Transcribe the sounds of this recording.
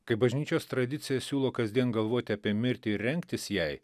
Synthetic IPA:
kɐɪbɐʒʲnʲiːt͡ʃʲoːst̪ɾɐd̪ʲɪt̪sʲɪjɛsʲuːlˠoːkɐzʲd̪ʲiɛnɡɐlˠʋoːt̪ʲɪɐpʲiɛmʲɪɾʲt̪ʲɪɪːɛŋʲkt̪ʲɪsjɛɪ

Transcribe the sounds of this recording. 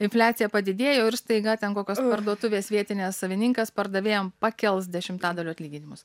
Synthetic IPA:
ɪnʲfʲlʲæːt̪sʲɪjɛpɐd̪ʲɪd̪ʲeːjoːɪɾst̪ɐɪɡɐt̪ʲɛnkoːkʲoːspɐɾd̪uɔt̪ʊʋʲeːsʋʲiɛt̪ʲɪnʲeːssɐʋʲɪnʲɪŋkɐspɐɾd̪ɐʋʲeːjoːmpɑːkʲɛlˠs̬d̪ʲɛʃʲɪmt̪ɑːd̪ɐlʲuːɐt̪lʲiːɡʲɪnʲɪmʊs

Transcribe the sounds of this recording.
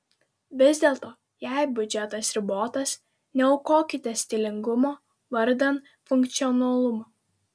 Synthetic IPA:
ʋʲɪzʲd̪ʲeːlˠt̪oː | jɛˑɪbʲʊd͡ʒʲɛt̪ɐsɾʲɪboːt̪ɐs | nʲɛʊkoːkʲɪt̪ʲɛsʲt̪ʲɪlʲɪŋɡʊmoː | ʋɐɾʲd̪ʲɛn | fʊŋk̚t̪sʲiɔnɐlˠʊmoː

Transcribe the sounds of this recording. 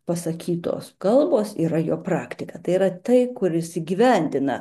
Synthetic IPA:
pɐsɐkʲiːt̪o̰ːskɐlˠboːsiːɾɐjoːpɾɑːkt̪ʲɪkɐt̪ɐɪiːɾɐt̪ɐɪkʊɾɪsiɡʲiʋʲɛnʲd̪ʲɪnɐ̰

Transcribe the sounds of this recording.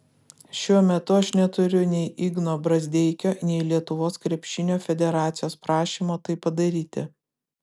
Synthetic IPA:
ʃʲuɔmʲɛt̪ʊɐʃnʲɛt̪ʊɾʲʊnʲɛɪʔiɡnoːbɾɐzʲd̪ʲɛɪkʲoːnʲɛɪlʲiɛt̪ʊʋoːskɾʲɛpʲʃʲɪnʲoːfʲɛd̪ʲɛɾɑːt̪sʲɪjoːspɾɑːʃʲiːmoːt̪ɐɪpːɐd̪ɐɾʲiːt̪ʲɪ̰

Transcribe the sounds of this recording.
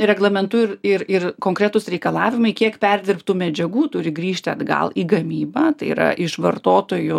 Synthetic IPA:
ɾʲɛɡlˠɐmʲɛnt̪ʊɪɾɪɾɪrkoːŋkɾʲɛt̪ʊsɾʲɛɪkɐlˠɑːʋʲɪmɐɪkʲiɛkpʲɛɾʲd̪ʲɪrpt̪uːmʲɛd͡ʒʲɛɡuːt̪ʊɾʲɪɡɾʲiːʃʲt̪ʲɪɐd̪ɡɐ̰lˠiːɡɐmʲiːbɐːt̪ɐɪḭɾɐ̰ʔɪʃʋɐrt̪oːt̪oːjʊ

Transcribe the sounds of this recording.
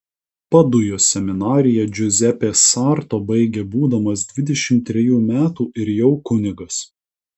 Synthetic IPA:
pɐd̪ʊjoːsʲɛmʲɪnɑːɾʲɪjɛd͡ʒʲʊzʲɛpʲeːsɑɾt̪oːbɐɪɡʲeːbuːd̪ɐmɐsd̪ʲʋʲɪd̪ʲɛʃʲɪmt̪ʲːɾʲɛjuːmʲæːt̪uːʔɪɾjɛʊkʊnʲɪɡɐs

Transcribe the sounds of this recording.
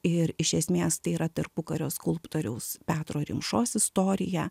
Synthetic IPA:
ɪɾɪʃʲɛsʲmʲeːst̪ɐɪiːɾɐt̪ɐrpʊkɐɾʲoːskʊlˠpt̪oːɾʲɛʊspʲæːt̪ɾoːɾʲɪmʃoːsɪst̪oːɾʲɪjɛ

